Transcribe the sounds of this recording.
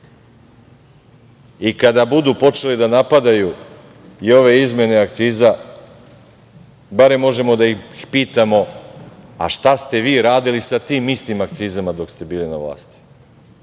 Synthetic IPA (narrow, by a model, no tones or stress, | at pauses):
ikad̪abud̪upo̞t͡ʃe̞lid̪anapad̪aju | io̞ʋe̞izme̞ne̞ak̚t̪siːza | baɾe̞mːo̞ʒe̞mo̞d̪aixpiːt̪amo̞ | a̰ʃt̪ast̪e̞ʋiːɾaːd̪ilisat̪iːmist̪imakt̪siːzamad̪o̞kst̪e̞biːlina̰ʋlˠa̰ːst̪i̥